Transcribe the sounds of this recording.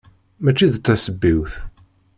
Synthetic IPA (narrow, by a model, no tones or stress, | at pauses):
mæt͡ʃːiðt̪ːæsəbːiwθ